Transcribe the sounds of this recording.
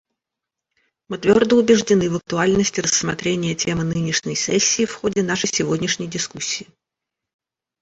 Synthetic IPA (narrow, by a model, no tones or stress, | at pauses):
mɨt̪vʲo̞rd̪əʊbʲɪʐdʲɪnɨvək̚t̪ʊalʲnəsʲtʲɪrəsmɐt̪ɾʲenʲɪjətʲemɨnɨnʲɪʂnʲəjsɛsʲːɪːfxodʲɪn̪aʂəjsʲɪvodʲnʲɪʂnʲəjdʲɪskusʲːiː